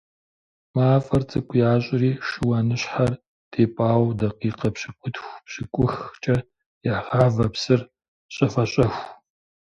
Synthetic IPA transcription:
maːfʼɐrt͡sʼɨkʷʰʼʊjaːɕʼɪɾiːʃɨwanɨɕħar | d̥ʰeːpʼaːwdɐqiːqɐpɕɪkʷʼʊtʰxʷpɕɪkʷʼʊxt͡ʃʼɐ | jaːʁaːvɐpsɨr | ɕʼɐfɐɕʼɐxʷ

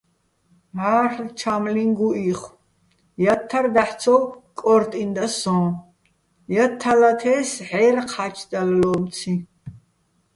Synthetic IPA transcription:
ɦaɾlt͡ʃʰamliŋɡuiχw | jat̪ʰːaɾd̪aħsʰɔkʼɔɾt̪ʼind̪asɔ̃ː | jat̪ʰːalat̪ʰɛsʕɛɾqʰat͡ʃʰd̪allɔmt̪t͡sʰi

